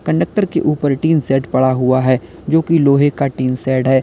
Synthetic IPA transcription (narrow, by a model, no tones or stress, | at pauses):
kɐ̃ɳɖək̚ʈəɾkḛʔuːpəɾʈiːnsɛːʈpɐɽaɦʊaɦɛː | d͡ʒoːkiloːɦekaʈiːnsɛːɖɦɛː